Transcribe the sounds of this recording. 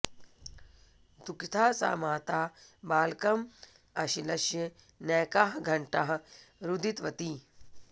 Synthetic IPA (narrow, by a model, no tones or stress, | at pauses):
d̪ukit̪ʰaːsa̰ːmaːt̪aːbaːlkɐm | ɐʃilɐʃjɐ | nɛːkaːɦɡʱɐɳʈaɦɐɾud̪it̪ʋɐt̪iː